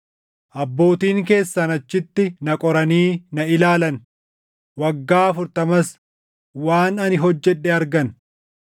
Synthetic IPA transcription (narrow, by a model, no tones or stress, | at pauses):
ʔɐbːo̞ːt̪iːŋke̞ːsːɐnɐt͡ʃːɪt̪ːɪnɐkʼɔɾɐniːnɐɪlaːlɐn | wɐɡːaːɐfʊɾt̪ɐmɐs | waːnɐnɪɦɔd͡ʒːɛᶑːɛɐɾɡɐn